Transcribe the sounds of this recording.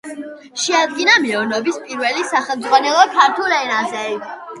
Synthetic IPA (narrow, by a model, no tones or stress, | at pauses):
ʃɛad̪̚ɡinamiɔɾnɔbispʼiɾvɛlisaχɛlˠmd̪zʼʁwanɛlˠɔkʰaɾt̪ʰulɛnazɛi